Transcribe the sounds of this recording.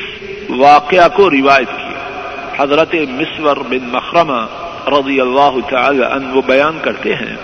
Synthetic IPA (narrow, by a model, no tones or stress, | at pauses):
ʋaːqɪakoɾɪʋaːjət̪kḭa̰ː | hɐzɾət̪emɪsʋəɾbɪnmɐxɾɐma | ɾɐd̪ijɐlːaːɦʊt̪aaːla̰ʔɐ̰nʋobɐjaːnkɐɾt̪eɦɛ̰̃ː